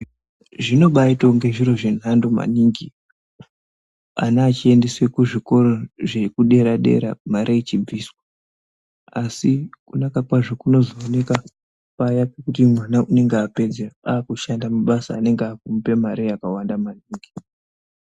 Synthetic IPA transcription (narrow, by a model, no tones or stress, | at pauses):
ʐino̞ɓaito̞ŋɡe̞ʐiɾo̞ʐe̞n̤andoma̰niːŋɡi | a̰nat͡ʃie̞nde̞swe̞kuʐiko̞ɾo̞ʐe̞kuɗe̞ɾaɗe̞̰ɾa̰maɾeit͡ʃib͡viːswa | asikunakakwaʐokuno̞zoːne̞ka | pajapekut̬imwanaʔune̞ŋɡeape̞d͡zeaaːkuʃandamuɓasa̰ːne̞ŋɡeakumpe̞maɾijakawandamaniːŋɡi